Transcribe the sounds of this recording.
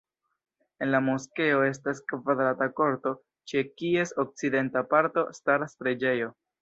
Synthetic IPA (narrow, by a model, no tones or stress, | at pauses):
e̞nlamo̞ske̞o̞e̞s̬taskvad̪ɾatako̞ɾto̞ | t͡ʃe̞kie̞sok̚t͡side̞ntapaɾto̞̰staɾspɾed͡ʒe̞jo̞